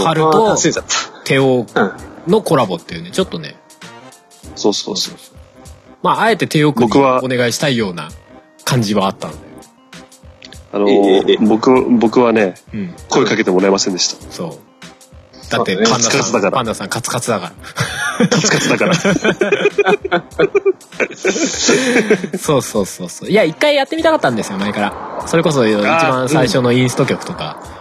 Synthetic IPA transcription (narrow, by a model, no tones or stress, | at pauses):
aɾɯt̪o̞ | t̪ʰe̞okno̞ko̞ɾabo̞t̪ːe̞jiɯ̟ne̞t͡ɕo̞t̪ːo̞ne̞̰ | soːso̰ːso | maːe̞t̪e̞t̪e̞okɯbokɯ̟βao̞ne̞ɡaiɕi̥t̪aijo̞ːna̰ | kʰãɲ̟d͡ʑiβaːt̪ːanod̪a̰jo | anobokɯ̟bo̞kɯ̟βane̞ɯ̟̃ɴko̞ekake̞t̪emo̞ɾaemasẽ̞nd̪eɕi̥t̪ḁso̞ː | d̪at̪ːe̞ãakaɨd̪akaɾapãnd̪asãŋkat͡sɨ̥kat͡sɨd̪akaɾa | at͡sɨ̥kat͡sɨd̪aka | so̞ːso̞ːso̞ːso̞ːjaikːaijat̪ːemit̪akat̪ːãnd̪e̞sɨjomaekaɾaso̞ɾe̞ko̞s̬o̞it͡ɕibãsaiɕo̞no̞ĩɰ̃sɨ̥t̪o̞kʲo̞kɯ̟̥t̪o̞ka